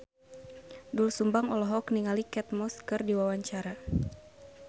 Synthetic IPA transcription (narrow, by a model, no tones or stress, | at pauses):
dulsumbaŋɔlɔɦɔkniŋalikɛt̪̚mɔskɨrdiwawaɲt͡ʃaɾa